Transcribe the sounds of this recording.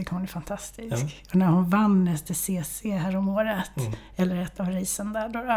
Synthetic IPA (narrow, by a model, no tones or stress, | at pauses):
ʏkʰhʊnæɾfant̪ʰast̪ɪskɔnæɾhʊnvanːɛst̪əseːseːɦæːɾɔmoːɾət̪ | ɛlːəɾɛt̪ːavɾiːsənd̪æɖɔɾ